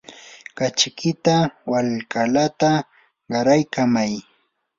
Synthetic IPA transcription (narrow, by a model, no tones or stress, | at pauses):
kat͡ʃkɪt̪awalkalat̪a | ɢɑɾajkamaj